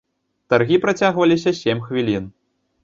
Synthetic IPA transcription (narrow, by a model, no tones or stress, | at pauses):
t̪arɣʲipɾat͡sʲaɣvɐlʲis̬ʲɐsʲemʲxvʲilʲin